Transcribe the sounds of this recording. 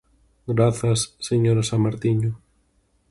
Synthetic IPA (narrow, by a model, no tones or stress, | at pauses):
ɡɾaθasːeɲoɾasamaɾt̪iɲʊ